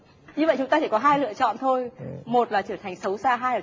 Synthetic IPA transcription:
ɲɨ˧və̰˧˨jt͡ɕʊ˨˦ŋ͡mt̪aː˧t͡ɕʰaː˧˩kɔ˨˦ɦaː˧jlɨ̰˧˨ət͡ɕɔ̰˧˨nt̪ʰo˧jmo˨˩t̚laː˨˩t͡ɕəː˧˩t̪ʰjŋ̟sə˨˦wsaː˧ɦaː˧jlaː˨˩

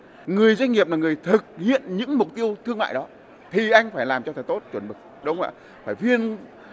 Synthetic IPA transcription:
ŋɨ˨˩əjza˧jŋ̟ːi˨˩əp̚naː˨˩ŋɨ˨˩əjt̪ʰɨ˨˩k̚hḭ˧˨ənɲɨ̰˧˥ŋmʊ˨˩k͡p̚t̪i˧əwt̪ʰɨ˧əŋma̰ː˧˨jɗɔ˨˦ | t̪ʰi˨˩ʔa˧jŋ̟faː˧˩jlaː˨˩mt͡ɕɔ˧t̪ʰaː˨˦jt̪o˦˥t̚t͡ɕwə˧˩nɓɨ˨˩k̚ɗə˨˦wŋ͡ma̰ː˧˩ | faː˧˩jvi˧ən

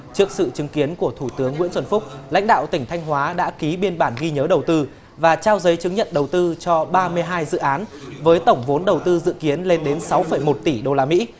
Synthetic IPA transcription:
t͡ɕɨ˦˥ək̚sɨ̰˧˨t͡ɕɨ˨˦ŋki˨˦ənku˧˩ət̪ʰu˧˩t̪ɨ˨˦əŋːḭ˧˥nswə˧nfʊ˦˥k͡p̚la̰˧˥ŋ̟ɗa̰ː˧˨wt̪ï˧˩ŋ̟t̪ʰa˧jŋɦwaː˨˦ɗa̰ː˧˥ki˨˦ɓi˧ənɓaː˧˩nɣi˧ɲəː˨˦ɗə˨˩wt̪ɨ˧ | vaː˨˩t͡ɕaː˧wzə˨˦jt͡ɕɨ˨˦ŋɲə̰˧˨nɗə˨˩wt̪ɨ˧t͡ɕɔ˧ɓaː˧mɨ˧əjɦaː˧jzɨ̰˧˨ʔaː˨˦nvəː˨˦jt̪ə˧˩wŋ͡mvo˨˦nɗə˨˩wt̪ɨ˧zɨ̰˧˨ki˨˦ənle˧nɗe˨˦nsa˨˦wfə˧˩jmo˨˩t̚t̪i˧˩ɗo˧laː˧mḭ˧˥

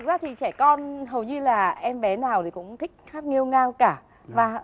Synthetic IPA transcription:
k̚zaː˦˥t̪ʰi˨˩t͡ɕɛ˧˩kɔ˧nɦə˨˩wɲɨ˧laː˨˩ʔɛ˧mɓɛ˨˦naː˨˩wt̪ʰi˨˩kʊ̰˧˥wŋ͡mt̪ʰï˦˥k̟̚xaː˦˥t̚ŋi˧əwŋaː˧wkaː˧˩ | vaː˨˩˧

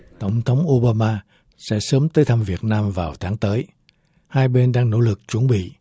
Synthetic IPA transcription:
t̪ə˧˩wŋ͡mt̪ʰə˨˦wŋ͡mʔo˧ɓaː˧maː˧ | sɛ̰˧˥səː˨˦mt̪əː˨˦jt̪ʰa˧mvi˨˩ət̚naː˧mvaː˨˩wt̪ʰaː˨˦ŋt̪əː˨˦j | haː˧jɓe˧nɗaː˧ŋno̰˧˥lɨ˨˩k̚t͡ɕwə˧˩nɓḭ˧˨

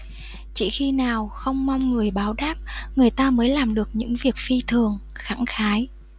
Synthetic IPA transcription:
t͡ɕḭ˧˩xi˧naː˨˩wxə˧wŋ͡mma˧wŋ͡mŋɨ˨˩əjɓaː˨˦wɗaː˦˥p̚ŋɨ˨˩əjt̪aː˧məː˨˦jlaː˨˩mɗɨ˨˩ək̚ɲɨ̰˧˥ŋvi˨˩ək̚fi˧t̪ʰɨ˨˩əŋ | xa˧˥ŋxaː˨˦j

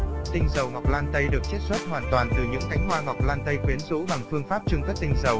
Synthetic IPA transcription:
t̪ï˧ŋ̟zə˨˩wŋa˨˩k͡p̚laː˧nt̪ə˧jɗɨ˨˩ək̚t͡ɕɛ˦˥t̚swə˦˥t̚hwaː˨˩nt̪waː˨˩nt̪ɨ˨˩ɲɨ̰˧˥ŋka˨˦jŋ̟hwaː˧ŋa˨˩wk͡p̚laː˧nt̪ə˧jxwi˨˦ənzṵ˧˥ɓa˨˩ŋfɨ˧əŋfaː˦˥p̚t͡ɕɨ˧ŋk̪ə˦˥t̚t̪ï˧ŋ̟zə˨˩w

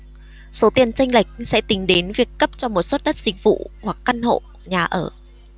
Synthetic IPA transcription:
so˨˦t̪i˧˩ənt͡ɕa˧jŋ̟la˨˩jk̟̚sɛ̰˧˥t̪ï˨˦ŋ̟ɗe˨˦nvi˨˩əkːə˦˥p̚t͡ɕɔ˧mo˨˩t̚swə˦˥t̚ɗə˦˥t̚z̥ï˨˩k̟̚vṵ˧˨wa˨˩kːa˧nho̰˧˨ | ɲaː˨˩ʔəː˧˩

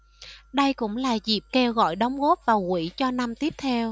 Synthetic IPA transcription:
ɗə˧jkʊ̰˧˥ŋ͡mlaː˨˩zi˨˩p̚ke˧wɣɔ̰˧˨jɗə˨˦wŋ͡mɣo˦˥p̚vaː˨˩wkwḭ˧˥t͡ɕɔ˧na˧mt̪i˦˥əp̚t̪ʰɛ˧w

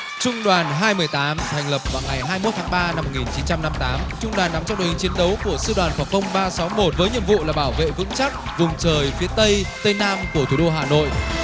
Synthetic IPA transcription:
t͡ɕʊ˧ŋ͡mɗwaː˨˩nɦaː˧jmɨ˨˩əjt̪aː˨˦mt̪ʰɛ˨˩ŋ̟lə˨˩p̚vaː˨˩wŋa˨˩jɦaː˧jmo˦˥t̚t̪ʰaː˨˦ŋɓaː˧na˧mːo˨˩t̚ŋi˨˩nt͡ɕi˨˦nt͡ɕa˧mna˧mt̪aː˨˦mt͡ɕʊ˧ŋ͡mɗwaː˨˩nːa˨˦mt͡ɕɔ˧wɗo̰˨˩hi˨˩ŋt͡ɕi˨˦ənɗə˨˦wku˧˩əsɨ˧ɗwaː˨˩nfwɔː˨˩k̪ə˧wŋ͡mɓaː˧sa˨˦wmo˨˩t̚vəː˨˦jɲḭ˧˨əmvṵ˧˨laː˨˩ɓaː˧˩wvḛ˧˨vɨ̰˧˥ŋt͡ɕa˦˥k̚vʊ˨˩ŋ͡mt͡ɕəː˨˩jfi˨˦ət̪ə˧jt̪ə˧jnaː˧mku˧˩ət̪ʰu˧˩ɗo˧ɦaː˨˩no̰˧˨j

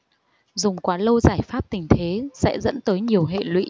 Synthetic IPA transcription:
zʊ˨˩ŋ͡mkwaː˨˦lə˧wzaː˧˩jfaː˦˥p̚t̪ï˨˩ŋ̟t̪ʰe˨˦sɛ̰˧˥zə̰˧˥nt̪əː˨˦jɲi˨˩əwɦḛ˧˨lwḭ˧˥

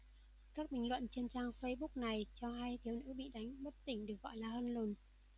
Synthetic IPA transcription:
kaː˦˥k̚ɓï˨˩ŋlwə̰˧˨nt͡ɕe˧nt͡ɕaː˧ŋfə˧jɓʊ˦˥k̚na˨˩jt͡ɕɔ˧ɦa˧jt̪ʰi˨˦əwnɨ̰˧˥ɓḭ˧˨ɗa˨˦jŋ̟ɓə˦˥t̚t̪ï˧˩ŋ̟ɗɨ˨˩ək̚ɣɔ̰˧˨jlaː˨˩həː˧nlo˨˩n

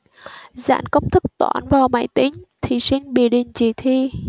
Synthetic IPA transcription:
za̰ː˧˥nkə˧˥wŋ͡mt̪ʰɨ˦˥k̚t̪wa̰ː˧˩nvaː˨˩wma̰ː˧˩jt̪ï˧˦ŋ̟t̪ʰi˨˩si˧nɓi˨˧˩əɗi˨˩ŋt͡ɕi˧˩t̪ʰi˧˩

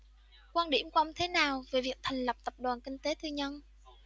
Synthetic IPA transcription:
kwaː˧nɗḭ˧˩əmkwa˧ŋ͡mt̪ʰe˨˦naː˨˩wve˨˩vi˨˩ək̚t̪ʰa˨˩jŋ̟lə˨˩p̚t̪ə˨˩p̚ɗwaː˨˩nkï˧ŋ̟t̪e˨˦t̪ʰɨ˧ɲə˧n

